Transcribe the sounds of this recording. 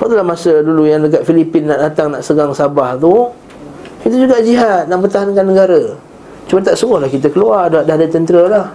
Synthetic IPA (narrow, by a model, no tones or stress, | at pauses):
pat̪ulamasədulujaŋdəkat̪̚filipɪnːaʔdat̪aŋnaʔsəɡaŋsabaht̪u | kit̪̬əd͡ʒuɡaʔd͡ʒiɦat̪̚naʔpərt̪aɦankanːəɡaɾə | t͡ʃumant̪aʔsuɡʊhlahkit̪əkəluardəɦaʔ̪̚daɦadət̪ənt̪əɾəlah